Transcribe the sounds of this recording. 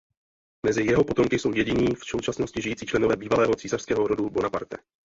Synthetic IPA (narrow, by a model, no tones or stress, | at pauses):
mɛzɪjɛɦo̞po̞t̪o̞mkɪso̞wjɛɟɪɲiːfso̞wt͡ʃasno̞scɪʒɪjiːt͡siːt͡ʃlɛno̞vɛːbiːvalɛːɦo̞t͡siːsar̥skɛːɦo̞ɾo̞dubo̞napa̰ɾt̪ɛ